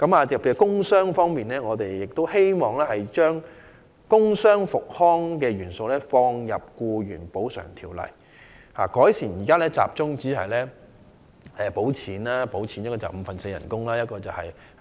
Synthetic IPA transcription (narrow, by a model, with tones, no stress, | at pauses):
kɐ˨˦maː˨pʰe˧˩˨kʊ˥ŋsœː˥ŋfɔː˥ŋmiː˨nɛː˥ŋɔː˨˧t̪e˨jjɪ˨k̚t̪o˥whe˥jmɔː˨ŋlɛː˥hɐ˨jt͡ʃœː˥ŋ | kʊ˥ŋsœː˥ŋfʊ˨k̚hɔː˥ŋkɛː˧ɥyː˨˩nso˨˧wlɛː˥fɔː˧ŋjɐ̰˨p̚kuː˧jyː˨˩npo˨˥wsœ̰ː˨˩ŋt̪ʰiː˨˩wlɐ̰˨˩j | ha̰ː˨˩kɔː˨˥jsiː˨˩njiː˨kaː˥lɛː˥t͡sa̰ː˨p̚t͡sʊ˥ŋt͡siː˨˥ɦɐ̰˨˩jlɛː˥ | ɛː˨po˨˥wt͡sʰiː˨˥nlaː˥po˨˥wt͡sʰiː˨˥njɐ˥t̚kɔː˧t͡sɐ̰˨˩wm̩ː˨˧fɐ˨nse˧jɐ̰˨˩nkʊ˥ŋlaː˥jɐ˥t̚kɔː˧t͡sɐ˨whɐ̰˨j